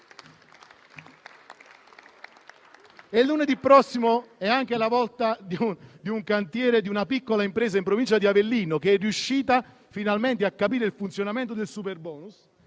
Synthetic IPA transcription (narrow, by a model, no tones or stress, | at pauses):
elːuned̪ipːɾɔsːimoɛaŋk̟elavɔlt̪ad̪iud̪iuŋkant̪jɛːɾed̪iunapikːolaimpɾeːzaimpɾovint͡ʃad̪iavelːiːnokeɛrːjuʃːiːt̪a | finalment̪̬eakːapiːɾeilfunt̪sjonament̪od̪elsuperbɔːnus